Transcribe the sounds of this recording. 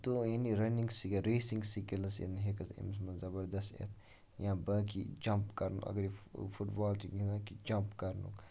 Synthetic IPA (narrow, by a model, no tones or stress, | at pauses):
t̪ojɐniɾɐnĩŋɡsikɾeːsiŋɡsikilɐsḛnɦekɐsḭmsmɐzɐbəɾd̪ɐst̪ḛt̪ʰ | jãːbɐkḭd͡ʒɐmpkɐɾnṵʔɐ̰ɡɐɾifuʈbaːlt̪uɡinakid͡ʒɐmpkɐɾnṵk